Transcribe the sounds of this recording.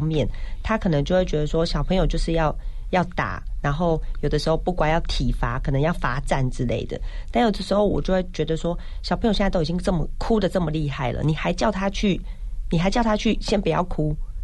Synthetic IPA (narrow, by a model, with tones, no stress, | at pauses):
ŋmjɛ˥˨nt̪ʰa˥kʰɤ˨˩nə˧˦ŋt͡ɕo˥˧xwe˥˩t͡ɕɥɛ˧d̪ə˧ʂwɔ˥ɕjɑ˨˩ʊpʰɤ˧˥ŋjo˨˩t͡ɕjo˥˧ʊʂɻ̩˥˧jɑ˥˧ʊ | jɑ˥˩ʊt̪a̰˨˩˦na˧˥nxo˥˩ʊjo˨˩d̪ə˦ʂɻ̩˧˥xo˥˧ʊpu˥˩kwa˨˩njɑ˥˩ʊt̪ʰi˨˩fa˧˥kʰɤ˨˩nə˧˦ŋjɑ˥˩ʊfa˧˥ʈ͡ʂa̰˥˩nʈ͡ʂɻ̩˥lḛ˥˩ɪd̪ə̰˩t̪a˥˩njo˨˩d̪ə˦˩ʂɻ̩˧˥xo˥˩ʊwɔ̰˨t͡ɕjo˥˧ʊwe˥˩ɪt͡ɕɥɛ˧˥d̪ə˧swɔ˥ɕɑ˨˩pʰɤ˧˥jo˨ɕɛ˥˧˥o˥i˨˩t͡ɕi˥ŋʈ͡ʂɤ˥˩mə˩kʰu˦˥d̪ə˨ʈ͡ʂɤ˥˩mə˩li˥˧xa˥˩ɪlə̰˨ni˨˩xa˧˥ɪt͡ɕjɑ˥˩ʊt̪ʰa˥t͡ɕʰy˥˩ni˨˩xa˧˥ɪt͡ɕjɑ˥˩ʊt̪ʰa˥t͡ɕʰy˥˩ɕjɛ˥npu˨˩jɑ̰˥˩ʊkʰu˥